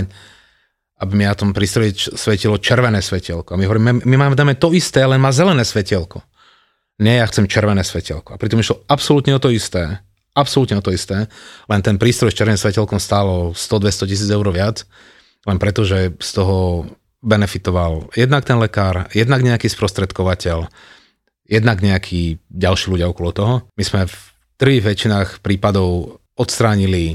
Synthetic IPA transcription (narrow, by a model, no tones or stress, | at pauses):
abiminat̪ɔmpɾiːst̪ɾɔjisʋɛcilɔt͡ʃɛɾʋɛnɛːsʋɛcɛlkɔamiɦɔʋɔɾimɛmɛɛmimaːmɛd̪amɛt̪ɔist̪ɛːlɛnmaːzɛlɛnɛːsʋɛcɛlkɔ | ɲɛjaxt͡sɛmt͡ʃɛɾʋɛnɛːsʋɛcɛ̰lkɔapɾit̪ɔmiʃlɔapsɔlut̪ɲɛɔt̪ɔist̪ɛː | ʔapsɔlut̪ɲɛɔt̪ɔist̪ɛːlɛnt̪ɛnpɾiːst̪ɾɔjst͡ʃɛɾʋɛnɛsʋɛcɛlkɔmst̪aːlɔst̪ɔd̪ʋɛst̪ɔcis̬iːd͡zɛʊɾɔʋɪad͡z | lɛnpɾɛt̪ɔʒɛst̪ɔɦɔ | bɛnɛfit̪ɔʋaljɛd̪nak̚t̪ɛnlɛkaːɾjɛd̪naɡɲɛakiːspɾɔst̪ɾɛt̪kɔʋacɛl | jɛd̪naɡɲɛakʰiːɟalʃiːluɟɪaɔkɔlɔt̪ɔɦɔmismɛf | t̪r̩ɦiːɣʋɛt͡ʃinaːxpɾiːpad̪ɔʊ | ɔt̪st̪ɾaːɲili